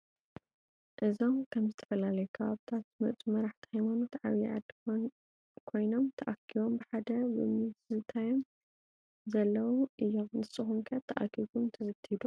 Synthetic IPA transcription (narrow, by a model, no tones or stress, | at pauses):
ʔɨzo̞mkʰɐmzɨt̪ʰɐ̥fɐlalɐjukʰɐβaβt̪ʰat̪mɐ̰t͡sʼmɐɾaħt̪ʰi̥hajmanut̪ʕaβiʕa̰d̪ | kʰo̞jno̞mt̪ʰɐʔakʰiβo̞mbɨħad̪ɐbɨ̰mɨzzɨt̪ʰajom | zɐlːɐwuʔɨjːonɨsʼɨxumkʰat̪ʰːɐʔa̰kʰiɡumt̪ʰɐzɨt̪ʰːhid̪u